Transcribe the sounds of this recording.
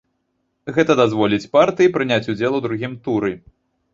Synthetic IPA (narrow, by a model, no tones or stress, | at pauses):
ɣɛt̪ɐd̪azvɔlʲit͡sʲpart̪ɨjipɾɨnʲat͡sʲud͡zʲɛlˠuwd̪ɾuɣʲimt̪uɾɨ